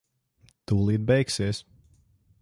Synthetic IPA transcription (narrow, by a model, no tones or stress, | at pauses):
t̪uːlˠiːd̪̚bɛjksiːs